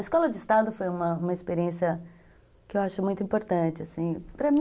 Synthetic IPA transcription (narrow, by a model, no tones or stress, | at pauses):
ɐɪskɔlɐd͡ʒɪɪst̪ad̪ʊfojũmɐũmɐɪspeɾiẽsjɐ | kɪewaʃʊmũj̃t̪ʊĩpoɾt̪ɐ̃nt͡ʃɪasĩpɾɐmĩ